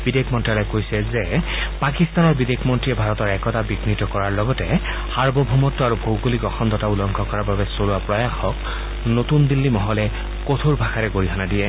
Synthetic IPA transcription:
b̥idekʰmɔntɹalɔjkojsɛzɛpakist̪anɔɹbidekʰmɔntɹiɛbʱaɹɔtɔɹɛkɔtabiɡnitɔkɔɹaɹlɔɡɔtɛ | haɹbɔbʱɔmɔtːɔaɹubʱowkolikɔxɔnd̪ɔtaulɔŋkʰɔkɔɹababɛsoluwapɹɔjaxɔk | notund̪ilːimɔɦɔlɛ | kotʰoɹbʱaxʰaɹɛɡoɹiɦʰanadiɛ

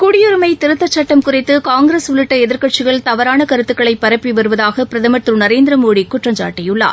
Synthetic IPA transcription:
kʊɽɪjʊɾɯmɐɪt̪ɪɾɯt̪ːɐt͡ʃːɐʈːɐmkʊrɪt̪ːɯkaːŋɡɾeːsʋʊlɯʈːɐɛðɪɾkɐʈ̚t͡ʃɪɣɐɭt̪ɐʋɐɾaːnɐkɐɾɯt̪ːɯkːɐɭɐɪpːɐɾɐpːiʋɐɾɯʋɐðaːɣɐpɪɾɐðɐmɐʈ̪ːɯnɐɾeːnd̪ɪɾɐmoːɽikʊʈrɐɲd͡ʒa̰ːʈːɪjɯɭːa̰ː

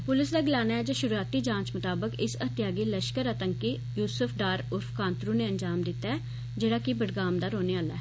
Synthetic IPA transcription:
pʊlɪsd̪aːɡɪlaːnaːɛːd͡ʒeːʃʊɾuaːt̪iːd͡ʒãːɲt͡ʃmʊt̪aːbəkɪsət̪ɪjaːɡiːləʃkəɾət̪əŋkiː | juːsʊpʰɖaːɾʊɾfʰkãːnt̪ɾũːneːəɲd͡ʒaːmd̪ɪt̪ːaːɛː | d͡ʒeːɽaːkɪbəɽɡaːmd̪aːɾoːneːaːlaɛː

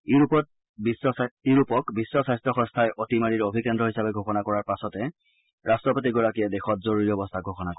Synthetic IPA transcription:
iupɔt̚ | bsiɹupɔkbisːɔsajstɹɔxɔ̃nstʰajʔotimaɹiɹobʱikɛndɹɔɦisabɛɡʱoxɔnakɔɹaɹpasɔtɛ | ɹʔastɹɔpotiɡɔɹakijɛdexɔtzoɹoɹiɔbɔstʰaɡʱoxɔnakɔ

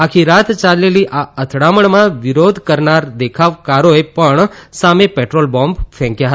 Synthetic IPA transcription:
akʰiɾat̪ʰt͡ʃaleliʔaət̪ʰɽaməɳmãʋɪɾod̪ʱkəɾnaɾd̪ekʰaʋkaɾoepəɳsamepeʈɾolbɔmbfʰɛ̃kjaɦə

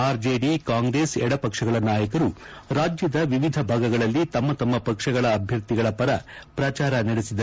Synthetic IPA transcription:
aːɾd͡ʒeːɖikaːŋɡɾeːsɛɽɐpɐkʂɐɡɐɭɐnaːjɐkɐɾuɾaːd͡ʒjɐd̪ɐʋiʋid̪ʱɐbʱaːɡɐɡɐɭɐlːit̪ɐmːɐt̪ɐmːɐpɐkʂɐɡɐɭɐːbʱjɐɾt̪iɡɐɭɐpɐɾɐpɾɐt͡ʃaːɾɐnɐɽesid̪ɐ

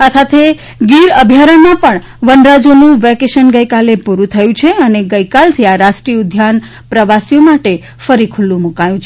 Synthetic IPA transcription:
asat̪ʰe | ɡiɾəbʱjaɾəmãpəɳ | ʋənɾad͡ʒonũʋɛkeʃənɡəjkalepuɾũt̪ʰəjũt͡ʃʰeəneɡəjkalt̪ʰiaɾaʃʈɾiʊd̪ʱjan | pɾəʋasijomaʈe | fəɾikʰʊlːũmukajũt͡ʃʰe

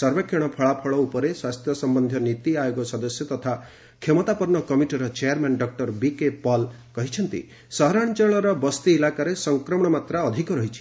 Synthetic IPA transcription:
sɔɾbakʰːeɽ̃ɔpʰɔɭapʰɔɭɔupɔɾeswast̪ʰjɔsɔmbɔnd̪ʱjɔnit̪iajoɡɔsɔd̪ɔsjɔt̪ɔt̪ʰa | kʰemɔt̪apɔɾnɔkɔmiʈiɾɔt͡ʃeaɾmanɖɔk̚ʈɔɾbikepɔl | kɔɦit͡ʃʰɔnt̪ḭ | sɔɦɾaɽt͡ʃɔɭɔɾɔbɔst̪iːlakaɾesɔŋkɾɔmɔɽɔmat̪ɾaɔd̪ʱikɔɾɔɦit͡ʃʰi̥

